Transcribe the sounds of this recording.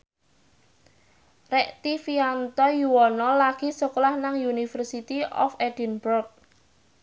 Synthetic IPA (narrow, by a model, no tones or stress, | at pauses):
rɛʔt̪ifiant̪ɔjuwɔnɔlaɡ̥i̤sɔklahnaŋjunifərsit̪iɔ̰fɛd̥inbɔrk̚